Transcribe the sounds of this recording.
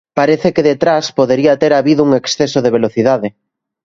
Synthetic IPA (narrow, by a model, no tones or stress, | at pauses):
paɾeθekeðet̪ɾaspoðeɾiat̪eɾaβiðouŋeksθesoðeβeloθiðaðɪ